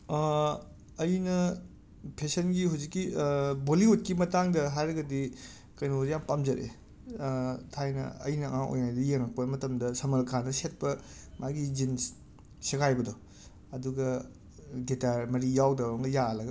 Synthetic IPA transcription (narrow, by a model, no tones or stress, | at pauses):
ɐjnɐ | pʰesɐnɡiɦuwzikːiboliut̚kimɐtaŋdɐɦajɾɐɡɐdi | kɐjnoɾijampamzɐɾʔḛ | tʰajnɐ̰ɐ̰jnɐ̰ŋaŋʔo̰jnajdɐjeŋɾɐk̚pɐmɐtɐmdɐsɐmɐlkʰanɐset̚pɐmʔaɡid͡ʒin | sekajbɐdɔ | ɐduɡɐ | detaɾmɐɾijawdɐwɾɐŋɡɐjalɐɡɐ